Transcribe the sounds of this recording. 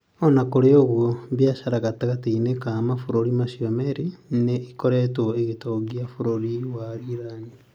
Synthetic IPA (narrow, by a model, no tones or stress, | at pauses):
onakoleoɣwoβjaʃaɾaɣatakatiinekamafuɾoɾimasjomeɾineikoɾetoeɣitoɡjafuɾoɾiwaɾiɾani